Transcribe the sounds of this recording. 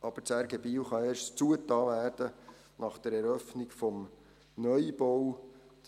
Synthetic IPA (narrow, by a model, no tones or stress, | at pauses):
ʔɑb̥ət͡sæɾɡɛbiːwχɑeːrʃtt͡suətɑːvæːrd̥ə | nɑχd̥ɛɾɛɾœfnikfɔm | nœʏbɔw